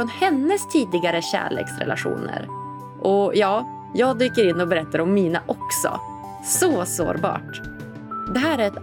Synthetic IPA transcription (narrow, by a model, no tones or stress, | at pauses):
ɔnhɛnːəst̪ʰiːd̪ɪɡaɾəɕæ̰ːɭḛːksɾɛ̰la̰ɧṵːnə̰ɾ | ʔɔjɑː | jɑːɡ̚d̪yːkəɾɪnːɔbɛɾɛt̪ːaɾɔmːiːnaʔɔksɔ̰ | sɔso̰ːɾbɑ̰ːʈ | d̪ɛɦæːɾæɾɛt̪